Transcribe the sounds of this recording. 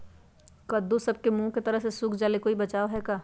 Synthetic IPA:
kɐd̪ːosɐb̚kemũːket̪ɐɾəɦsesuːkʰd͡ʒaːlekoːibɐt͡ʃaːoɦɛkaː

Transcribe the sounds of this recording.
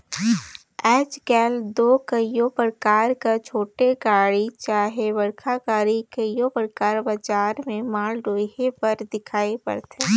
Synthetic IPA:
ɛːt͡ʃɡɛːld̪oːkəjopəɾkaːɾkat͡ʃʰoːʈeɡaːɽit͡ʃaːɦeʋɐɽkʰaɡaːɾikəjopəɾkaːɾbəd͡ʒaːɾmẽmaːlɖoːɦepɐɾd̪ɪkʰaːepɐ̰ɾt̪ʰeː

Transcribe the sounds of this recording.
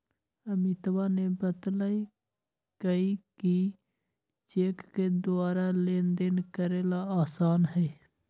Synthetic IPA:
əmɪt̪ʋanebət̪lai | kəiki | t͡ʃeːkːed̪ʊaːɾaleːnd̪enkəɾeːlaaːsaːnɦɛː

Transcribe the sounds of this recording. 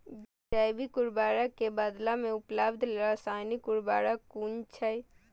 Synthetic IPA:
bid͡ʒaːjbikʊɾbaːɾakebaːd̪lamẽʊpləbd̪ʱleɾasaːnikʊɾbaːɾakuːnt͡ʃʰəj

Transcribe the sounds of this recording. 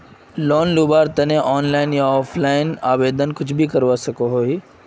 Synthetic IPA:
lɔːnluːbaːɾt̪ɐnẽʔɔːnlaːɪnjaɔːfʰlaːɪnaːʋeːd̪ənkʊt͡ʃʰbʱikɐɾʋaːsɐkoɦoːɦiː

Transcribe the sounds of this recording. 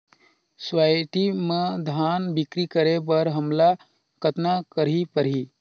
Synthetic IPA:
swajʈimə̃d̪ʱaːnbɪkɾikəɾebəɾɦəmla | kət̪nakəɾipəɾɦiː

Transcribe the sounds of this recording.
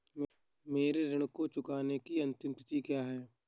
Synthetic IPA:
m | meːɾeɾɐɽ̃kot͡ʃʊkaːnekiɐ̃nt̪ɪmt̪ɪt̪ikjaːɦɛː

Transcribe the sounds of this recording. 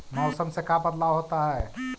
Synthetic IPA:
mɔʊsəmsekabəd̪laɦot̪aɦɛ

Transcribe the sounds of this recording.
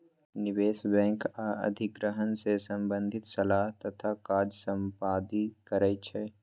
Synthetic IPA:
nɪweːsbɛ̃ːŋkaɐ̰d̪ʱɪɡɾəɦənsesə̃mbə̃nd̪ʱɪt̪sɐlaːɦt̪ɐt̪ʰakaːɾd͡ʒsə̃mpaːd̪ikəɾət͡ʃʰɛː

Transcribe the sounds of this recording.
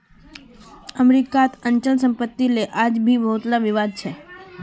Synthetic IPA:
əmɾikat̪əɲt͡ʃəlsəmpət̪ːileʔad͡ʒbʱiʋəɦut̪laʋiʋad̪̚t͡ʃʰe

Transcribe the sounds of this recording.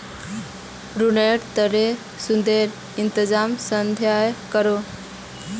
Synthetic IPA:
ɾuneʈt̪əɾe | sund̪eɾ | int̪əd͡zamsənd̪ʱjajkəɾo

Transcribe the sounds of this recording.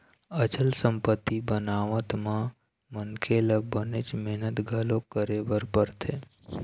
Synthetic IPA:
ət͡ʃəlsəmpət̪ːibənaʋət̪mã | mənkʰeləbənet͡ʃmɛɦnət̪ɡʱəlokəɾebəɾpəɾt̪ʰe

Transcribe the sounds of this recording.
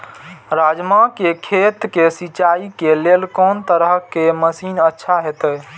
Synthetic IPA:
ɾad͡ʒmakekʰet̪kesit͡ʃaikelelkɔnt̪əɾəɦkeməsiːnətːʃʰaɦet̪ə

